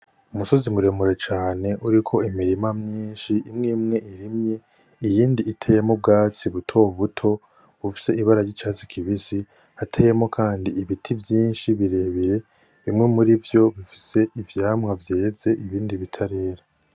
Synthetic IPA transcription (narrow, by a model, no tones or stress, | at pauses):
umuso̞zimuɾe̞muɾe̞t͡ʃaːne̞ʔuɾikʰo̞imiɾimamɲiːnʃiʔimŋimŋe̞ʔiɾimɲe̞ | ijiːndiːtʰe̞jemob̚ɡaːt͡siβutʰo̞βutʰo̞ | βufi̥se̞iβaɾajɟit͡ʃaːt͡si̥kʰiβisi | hatʰeje̞mo̞kʰaːndiiβitʰivjiːnʃiβiɾe̞ːβiɾe̞ | βimŋe̞muɾivjo̞βifi̥se̞ivjaːmŋavje̞ːze̞ʔiβiːndiβitʰaɾe̞ːɾa